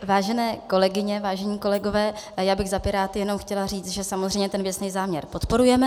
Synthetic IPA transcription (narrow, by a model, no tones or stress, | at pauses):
vaːʒɛnɛːko̞lɛɡɪɲɛvaːʒɛɲiːko̞lɛɡo̞vɛːjaːbɪɣzapɪɾaːt̪ɪjɛno̞mxcɛlar̝iːt͡st̪ʒɛsamozrɛjmɲɛt̪ɛnvjɛt͡snɛjzaːmɲɛɾpo̞t̪po̞ɾujɛmɛ